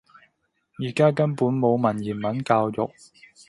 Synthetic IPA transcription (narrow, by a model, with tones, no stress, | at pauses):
jiː˨˩kaː˥kɐ˥npuː˨˥nmo˨˧wmɐ˨˩njiː˨˩nmɐ˨˥nkaː˧wjʊ̰˨k̚